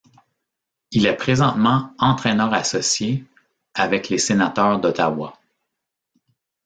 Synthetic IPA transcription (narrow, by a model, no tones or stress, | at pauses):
ilɛpχezɑ̃t̪mɑ̃ɑ̃t̪χɛnœːʁasɔsje | avɛklesenat̪œːʁd̪ɔt̪awa